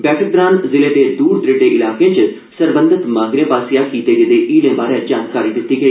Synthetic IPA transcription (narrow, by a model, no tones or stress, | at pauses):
bɛːʈək̚d̪ɾaːnzɪleːd̪eːd̪uːɾd̪ɾeːɖeːʔɪlaːkẽːt͡ʃ | səɾbə̃nd̪ɪt̪mãːɡɾẽːbaːsijakiːt̪eːɡed̪eːʔiːlẽːbaːɾẽd͡ʒaːnkaːɾiːd̪ɪt̪ːiːɡəiː